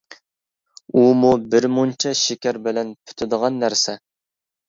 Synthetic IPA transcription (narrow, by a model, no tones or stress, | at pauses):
umubɪɾmunt͡ʃʰɛʃekʲæɾbɪlɛnpʰy̥t̪ʰɪd̪əʁɑnːæɾsɛ